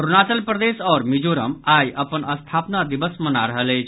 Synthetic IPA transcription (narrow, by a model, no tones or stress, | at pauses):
ɾunat͡ʃəlpɾəd̪esɔːɾmid͡ʒoɾəmajʔəpənəst̪ʰapnad̪ibəsmənaɾəɦələjt͡ʃʰ